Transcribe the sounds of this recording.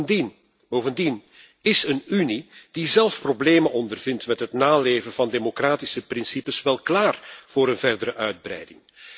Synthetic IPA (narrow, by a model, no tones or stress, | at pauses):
in | bowvəndin | ɪsənynid̥izɛlˠfprobleːmənʔɔndərvɪntmɛtɦətnaːleːvənvɑndeːmokraːtisəprɪnsipəsʋɛlˠklaːrv̥ʊːɾənvɛrdəɾəʔœɥd̚brɛ̰jdɪŋ